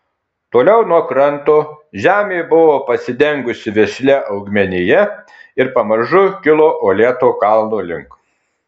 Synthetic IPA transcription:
t̪oːlʲɛʊnuɔkɾɐnt̪oː | ʒʲæːmʲeːbʊʋoːpɐsʲɪd̪ʲɛŋɡʊsʲɪʋʲɛʃʲlʲɛʔɐʊɡmʲɛnʲɪjɛ | ɪɾpɐmɐɾʒʊkʲɪlˠoːʔoːlʲeːt̪oːkɑˑlˠnoːlʲɪ̰ŋk

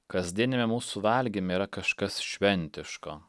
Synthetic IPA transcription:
kɐzʲd̪ʲiɛnʲɪmʲɛmuːsʊʋɐlʲɡʲimʲeiːɾɐkɐʃkɐsʃʲʋʲɛnʲˑt̪ʲɪʃkoː

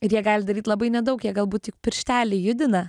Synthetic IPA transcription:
ɪɾjiɛɡɑːlʲɪd̪ɐɾʲiːt̪lˠɐbɐɪnʲɛd̪ɐʊkjiɛɡɐlˠbuːt̪tʲɪkpʲɪɾʲʃʲt̪ʲæːlʲɪjʊd̪ʲɪnɐ

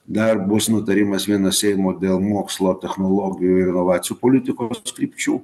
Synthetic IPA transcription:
d̪ɐɾbʊsnʊt̪ɐɾʲɪmɐsʋʲiɛnɐsʲɛɪmoːd̪ʲeːlˠmoːkslˠoːt̪ʲɛxnolˠoːɡʲɪjuɪɾʲɪnɔʋɑːt̪sʲɪjuːpɔlʲɪt̪ʲɪkoskɾʲiːpʲt͡ʃʲuː

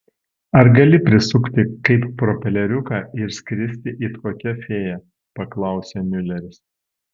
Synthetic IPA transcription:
ɐɾɡɐlʲɪpʲɾʲɪsʊkt̪ʲɪkɐɪppɾɔːpʲɛlʲɛɾʲʊkɑːɪɾsʲkʲɾʲɪsʲt̪ʲɪʔit̪koːkʲɛfʲeːjɛ | pɐklˠɐˑʊsʲeːmʲʊlʲɛɾʲɪs

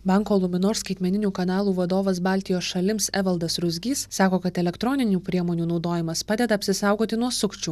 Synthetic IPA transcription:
bɑŋkoːlˠʊmʲɪnoːɾskɐɪt̪ʲmʲɛnʲɪnʲuːkɐnɑːlˠuːʋɐd̪oːʋɐsbɑːlʲt̪ʲɪjoːsʃɐlʲɪmsɛʋɐlˠd̪ɐsɾʊzʲɡʲiːsːɑːkoːkɐt̪ɛlʲɛkt̪ɾɔnʲɪnʲuːpʲɾʲiɛmoːnʲuːnɒʊd̪oːjɪmɐspɑːd̪ʲɛd̪ɐɐpʲsʲɪsɑˑʊɡoːt̪ʲɪnuɔsʊkt͡ʃʲuː

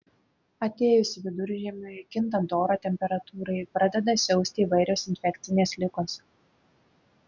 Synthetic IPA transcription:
ɐt̪ʲeːjʊsʲɪʋʲɪd̪ʊɾʲʒʲiɛmʲʊɪkʲɪnt̪ɐd̪oːɾoːt̪ʲɛmʲpʲɛɾɐt̪uːɾɐɪpɾɐd̪ʲɛd̪ɐsʲɛʊsʲt̪ʲɪiːʋɐɪɾʲoːsɪnʲfʲɛkʲt̪sʲɪnʲeːslʲɪkoːs

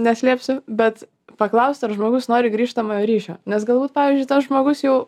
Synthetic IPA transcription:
nʲɛsʲlʲiːpʲsʲʊbʲɛt̪ | pɐklˠɐʊsʲt̪ʲɐɾʒmoːɡʊsnoːɾʲɪɡɾʲiːʃt̪ɐmɐjoɾʲiːʃʲoːnʲɛsɡɐlˠbuːt̪̚pɑːʋʲiːzʲd͡ʒʲʊɪt̪ɐsʒmoːɡʊsjɛʊ

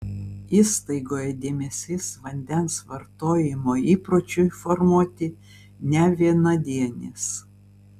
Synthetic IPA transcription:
iːst̪ɐɪɡoːjɛd̪ʲeːmʲesʲɪsʋɐnʲd̪ʲɛnsʋɐɾt̪oːjɪmoːiːpɾoːt͡ʃʲʊɪfɔɾmuɔt̪ʲɪ | nʲɛʋʲiɛnɐd̪ʲiɛnʲɪ̰s

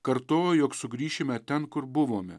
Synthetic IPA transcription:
kɐɾt̪oːjojoːksʊɡɾʲiːʃʲɪmʲɛt̪ʲɛnkʊɾbʊʋoːmʲɛ

